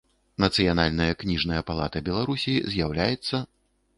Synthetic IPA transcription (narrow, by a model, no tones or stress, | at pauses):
nɐt̪sɨjanalʲnɐjɐknʲiʐnɐjɐpalˠa̰t̪ɐbʲɛlˠaɾusʲizʲjawlʲajɛt̪sːɐ